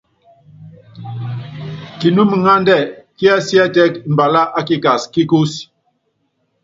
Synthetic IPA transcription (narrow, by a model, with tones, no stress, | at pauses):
ki˨nu˦mi˨ŋa˦ndɛ˦˨ki˦a˦si˦a˦tɛ˦km̩˨ba˨la˦ʔa˦ki˦ka˨ski˦ku˦s